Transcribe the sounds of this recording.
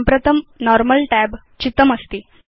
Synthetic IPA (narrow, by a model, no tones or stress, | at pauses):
mpɾət̪ʰəmnɔɾməlʈæb | t͡ɕit̪ːəməst̪iː